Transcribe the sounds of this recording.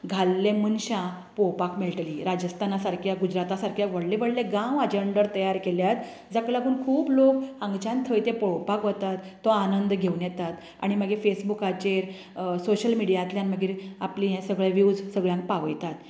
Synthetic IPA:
ɡʱalːẽmənɕã | pɔwpakmelʈliːɾad͡ʑəst̪ʰanasaɾkʰjaɡud͡ʑɾat̪asaɾkʰjaʋəɽleʋəɽleɡãwəd͡ʑeɳɖəɾt̪əjaɾkeljat̪ | d͡zakɭaɡuːnkʰuːblokãŋɡt͡ɕãnt̪ʰəjt̪epɔwpakʋət̪at̪ːɔanənd̪ɡʱeunjɛt̪at̪ | a̰ɽ̃iməɡefesbukat͡ɕeɾ | soɕəlmiɽijat̪ljanməɡiːɾapliɦɛ̃səɡɭeʋjud͡zsəɡɭjãŋk̚paʋəjt̪at̪

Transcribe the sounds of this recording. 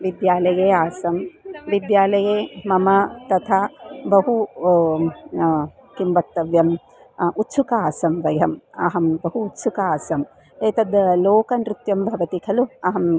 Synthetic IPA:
ʋid̪jaːlɐjeːaːsɐmʋid̪jaːlɐjeːmɐmɐt̪ɐt̪ʰaːbɐɦu | kimbɐk̚t̪ɐʋjɐm | ut̪ːʃukaaːsɐmʋɐjɐmɐɦɐmbɐɦuːt̪ːsʰukɐaːsɐm | eːt̪ɐd̪loːkɐnɾɪt̪jɐmbʱɐʋɐt̪ikʰɐluɐɦɐm

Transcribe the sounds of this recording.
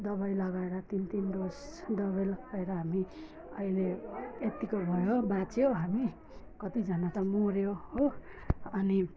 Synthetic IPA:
d̪ʌβʌjlʌɡaeɾʌt̪int̪ind̪osd̪ʌβʌjlʌɡaeɾʌɦami | ʌileet̪ikobʱʌjobat͡sjoɦami | kʌt̪id͡zʱʌnat̪ʌmoɾjoho | ʌni

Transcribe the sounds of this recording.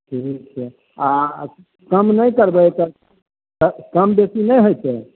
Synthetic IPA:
ʈʰik̚t͡ʃʰɛ | a | kəmnəjkəɾbət̪ə | əkəmbesinəjɦojt͡ʃɛ

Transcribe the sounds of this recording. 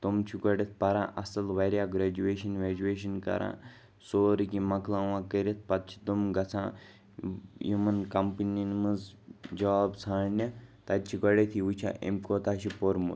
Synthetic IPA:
t̪omt͡ʃʰiɡɐɽɐt̪̚ʰpɐɾã̰ːʔɐsɐlʋɐɾjaɡɾeːd͡ʒueːʃɐnʋʲeːd͡ʒueːʃɐnkɐ̰ɾʔã̰ː | soːɾkimɐklãːʋãːkəɾet̪̚ʰpɐt̪̚t͡ʃʰi̥d̪omɡɐt͡sʰã̰ː | jumɐnkɐmpininmɐzd͡ʒɐʋaːbsʰaːɭnʲɐt̪ɐt̪̚t͡ʃʰiɡɐɽet̪ʰiʋut͡ʃʰa̰ʔḛmkot̪aːʃipoɾmṵt̪

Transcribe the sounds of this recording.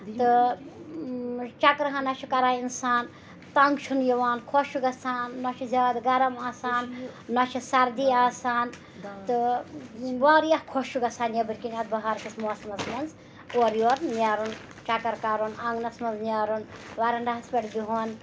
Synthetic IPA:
t̪ɨ | t͡ʃɐkɾɐɦɐnɐt͡ʃʰikɐɾaːinsaːn | t̪ɐŋɡt͡ʃʰunjiʋaːnkʰoʃuɡɐsaːnːɔt͡ʃʰizʲaːd̪ɡɐɾɐmaːsaːnːɔt͡ʃʰisɐɾd̪iaːsaːn | t̪ɨ | ʋaːɾjɐhkʰoʃuɡɐsaːnjɐbɨɾʲkinʲat̪̚bɐɦaːɾkɐsmoːsmɐnsmɐnz | oːɾjoːɾnjaːɾun | t͡ʃɐkɐɾkaːɾunɐŋɡnɐsmɐnznʲjaːɾunʋaɾɐɳɖaɦɐspʲeʈd̪iɦoːn

